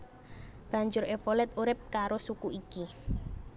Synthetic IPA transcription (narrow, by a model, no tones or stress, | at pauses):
b̥ä̤ɲd͡ʒʊɾefolɛt̪uɾɪp̚kaɾosukuiki